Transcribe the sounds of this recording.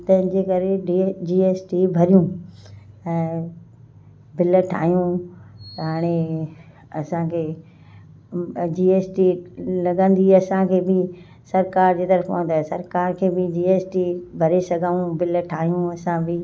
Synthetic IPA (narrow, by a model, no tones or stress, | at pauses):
t̪ɐ̃ɦɪ̃ɲd͡ʑeːkɐɾeɖid͡ʑiːeːsʈibʱɐɾijũ | ɛ̃ | bɪlʈʰa̰ːɦijũ | ɦaːɽ̃e | ɐsãkʰeː | d͡ʑiːeːsʈilɐɡə̃nd̪iɐsãkʰeːbɪ | sɐɾkaːɾd͡ʑeːt̪ɐɾəfpõ̰ːd̪asɐɾkaːɾkʰeːbɪd͡ʑiːeːsʈibʱɐɾesɐɡʱaːũbɪlʈʰaːɦijũɐsãbɪ